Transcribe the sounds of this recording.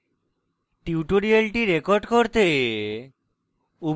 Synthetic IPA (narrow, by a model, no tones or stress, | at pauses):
ʈiuʈoɾialʈiɾekoɾɖkoɾt̪e | ub